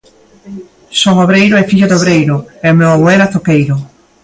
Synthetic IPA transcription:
sɔŋoβɾejɾoɛfiʎʊðoβɾejɾʊɛomewaβoɛɾat̪okejɾʊ

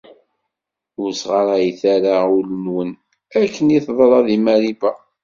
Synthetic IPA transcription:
ʊɾsʁɑɾˤæjθaɾaʊlənwən | ækːəniθðˤɾˤɑðimæɾibæ

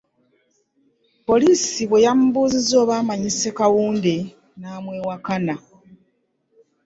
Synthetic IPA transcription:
po̞liːsiβwe̞jamubuːzizo̞ːβaːmaɲise̞kawuːnde | naːmwe̞ːwakana

